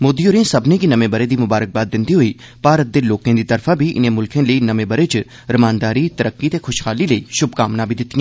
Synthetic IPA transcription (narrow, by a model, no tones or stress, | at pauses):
moːd̪ioːɾẽsɐbnekinɐmẽbəɾed̪imʊbaːɾək̚baːd̪̚ːɪ̃nd̪iɦoi | paːɾət̪̚d̪eloːkẽd̪it̪ɐɾfʰabʱiʔɪ̰nẽmʊlkʰẽləinɐmẽbɐɾet͡ʃ | ɾɪmaːnd̪aːɾit̪ɐɾəkːit̪ekʰʊʃxʰaːliləiʃʊbkaːmnãbʱid̪ɪt̪ijãː